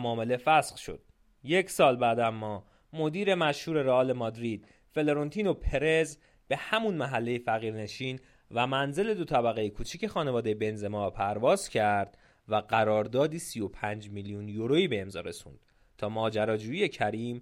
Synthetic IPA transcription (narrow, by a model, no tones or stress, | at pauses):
mɒːme̞le̞fæsχʃo̞̰d̪̥ | je̞cʰsɒːlbæːd̪æmːɒː | mo̞d̪iːɾe̞mæʃhuːɾe̞ɾeɒːlemɒːd̪ɾid̪̥̚ | fe̞leɾont̪ʰiːno̞pʰe̞ɾe̞z | b̥e̞hæmunmæɦælːe̞jefæɣiːɾne̞ʃiːn | væmænze̞le̞d̪o̞t̪ʰæbæɣejekʰuːt͡ʃʰice̞xɒːnevɒːd̪e̞jebe̞nze̞mɒːpʰæɾvɒːzcʰæɾd̪̥ | væɢæɾɒːɾd̪ɒːd̪iːsijo̞pʰænd͡ʒmilijunjoɾoiːbe̞ːmzɒ̰ːɾe̞sṵːnd̪̥ | t̪ʰɒːmɒːd͡ʒæɾɒːd͡ʒuːjije̞cʰæɾiːm